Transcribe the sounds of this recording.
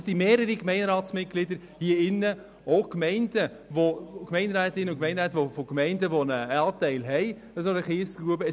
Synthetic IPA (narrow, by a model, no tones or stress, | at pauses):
ssimeːɾəɾikmɛɪnɾɑːtsmɪt̚ɡ̥lɪdəɾ | hiəɪnːə | oʊkmɛɪndə | vokmɛɪnɾæːtɪnəʊkmɛɪndɾæːtʋofokmɛɪndəʋɔnəɑːtɛɪlɦɛɪ | əsonəχiːsɡ̥ɾuəbə